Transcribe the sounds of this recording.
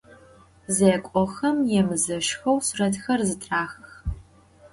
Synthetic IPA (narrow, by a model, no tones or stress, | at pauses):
zeːkʷʼɔxɐmjɛmɨzɐʃxɐwsrɐtxɐrzɨtʰʼraːxx